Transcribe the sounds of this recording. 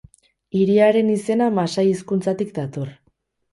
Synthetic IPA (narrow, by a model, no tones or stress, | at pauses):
iɾiaɾe̞nise̞namasajiskunt͡sat̪ikd̪at̪o̞r